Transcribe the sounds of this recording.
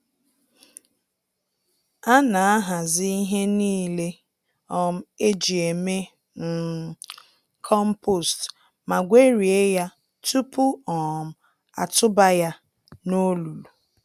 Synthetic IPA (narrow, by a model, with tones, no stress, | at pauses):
a˦na˨a˦ɦa˨zi˦i˦ɦe˦niː˦le˦ | ɔ˨m̩˦e˦d͡ʒi˨e˨me˦ | n̩˦ | kʰɔ˦m̩˦po˨st | ma˨ɡʷe˦ɾi˨e˦ja˦ | tu˦pʊ˦ɔ˨m̩˦ | a̰˨tʊ˦ba˦ja˦ | no˦lu˨lu˨